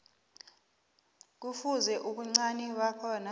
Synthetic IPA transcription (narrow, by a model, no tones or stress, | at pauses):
k̬ufuzɛʔuɓuŋ͡ǀaniɓakʰɔna